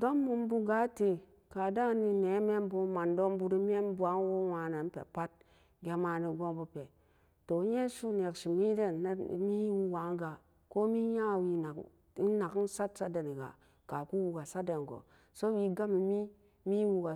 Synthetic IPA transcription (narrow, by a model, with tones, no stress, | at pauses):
do˦mːu˧m˦bu˧ɡa˨˦te˨ | ka˨da˦ni˧ne˨˦me˦m˦bo˧ma˨ndo˦mbu˧ɾi˧m˦e˦n˦bʷa˨˦ŋ˦wo˦wa˧na˨n̩˦pḛ˨pa˦t̚ | ɡʲe˧ma˧ni˧ɡo˦ŋbu˧pe˨ | to˨˦je˦ʃu˦n˨e˨kʃi˨mi˦de˦n˦˨mi˦wu˦wa˨˦ŋ˦ɡa˨ | ko˦mi˦ja˦˨wi˧na˨k̩˦ | na˨kn̩˦sa˦tsa˦de˨ni˨ɡa̰˨ | ka˨ku˦wu˧ɡa˨sa˦de˨n˨ɡo̰˨ | so˦wi˧ɡa˦mi˨mi˦ | mi˦wu˧ɡa˨